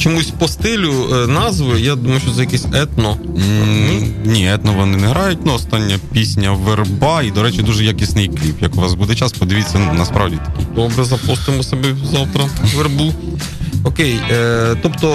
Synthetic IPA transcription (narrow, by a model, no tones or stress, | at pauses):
t͡ʃɔmusʲpɔst̪ɪlʲʊnɑzʋɪjad̪umɐjʊʃt͡ʃːɔt̪sɛjɐkɛsʲɛt̪nɔ | nʲiɛt̪nɔʋɔnɪnɛɦɾɑjʊt̚ʲnuɔst̪ɑnʲːɐpʲisʲnʲɐʋerbɑid̪ɔɾɛt͡ʃɪd̪uʒɛjakʲisʲnɪjklʲipjɐkʊʋɑzbud̪ɛt͡ʃaspɔd̪ɪʋʲit̪ʲt͡sʲːɐnunɐspɾɑ̰ʋdʲit̪ɐ̥kʲid̪̥ɔbɾɛzɐpɔst̪ɪmɔsʲɐbɛzɑwt̪ɾɐʋerbu | ɔkejt̪ɔpt̪ɔ